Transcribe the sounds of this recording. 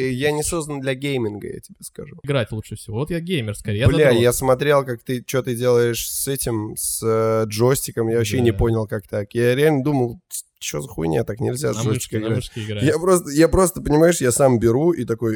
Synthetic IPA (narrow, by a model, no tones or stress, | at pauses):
janʲɪso̞znənd̪lʲɐɡʲejmʲɪnɡə̰ja̰tʲɪbʲeskɐ̰ʐuɪɡɾatʲlˠuʂəfsʲɪvovot̪jaɡʲejmʲɪrskɐɾʲejbllʲajasmɐt̪ɾʲe̞lˠkak̚t̪ɨt͡ɕɪot̪ɨdʲe̞lˠəɪʂsɛtʲɪmsəʐo̞sʲtʲɪkəmjavɐɕːenʲɪpo̞nʲɪlˠkak̚t̪akjaɾʲɪalʲnəd̪uməlˠ | t͡ɕɪozɐxṵn̰ʲjat̪aknʲɪlʲzʲaʐostʲːɪ̥kəɪɡɾatɡjapɾo̞st̪əjapɾo̞st̪əpənʲɪmaɪʂjasambʲɪɾuʔit̪ɐko̞j